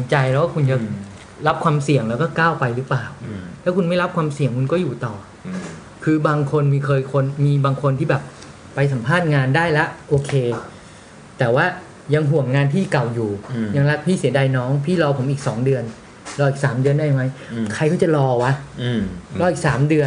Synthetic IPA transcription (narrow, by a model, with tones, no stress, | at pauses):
so˩˦nt͡ɕa˧jlɛ˦˥waː˥˩kʰu˧nt͡ɕa˨˩ | ɾa˦˥p̚kʰwaː˧msi˨˩əŋlɛː˦˥wkɔː˥˩kaː˥˩wpa˧jɾɯː˦˥plaː˨˩wtlʰɛ˦˥kʰu˧nma˥˩jɾa˦˥p̚kʰwaː˧msi˨˩əŋkʰu˧nkɔː˥˩juː˨˩t̪ɔː˨˩ | kʰɯː˧baː˧ŋkʰo˧nmiː˧kʰɤː˧jkʰo˧nmiː˧baː˧ŋkʰo˧nt̪ʰiː˥˩bɛː˨˩p̚ː | a˧js̬a˩˦mpʰaː˥˩t̪̚ŋaː˧ndaː˥˩jla˦˥ʔʔoː˧kʰeː˧ | t̪ɛː˨˩waː˥˩ | ja˧ŋɦu˨˩əŋːaː˧nt̪ʰiː˥˩ka˨˩wjuː˨˩ja˧ŋɾa˦˥k̚pʰiː˥˩si˩˦ɐda˧jnɔː˦˥ŋpʰiː˥˩lɔː˧pʰo˩˦mʔiː˨˩k̚sɔ̰ː˩˦ŋdɯ˧ən | lɔː˧ʔiː˨˩k̚saː˩˦mdɯ˧əndaː˥˩jma˦˥jkʰa˧jkɔː˥˩t͡ɕa˨˩lɔː˧wa˦˥ | lɔː˧˩ʔi˨˩k̚saː˩˦mdɯ˧ən